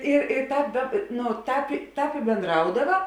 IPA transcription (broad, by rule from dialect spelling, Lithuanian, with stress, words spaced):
ɪ ɪ ˈtɑːp dɐ nʊ ˈtɑːp ˈtɑːp ɪ bʲeːnˈdrɐʊdɐʋɐ